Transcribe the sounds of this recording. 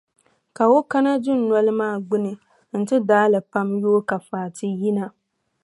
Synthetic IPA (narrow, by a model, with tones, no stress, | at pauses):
ka˨o˦ka˦na˦dʊ˦nː˨ɔ˦lɨ˦maː˦˨ɡ͡bʊ˦nɨ˨ | n̩˨tɪ˦daː˦lɨ˨pa˦mjoː˦ka˨faː˨tʰɪ˦ji˦na˦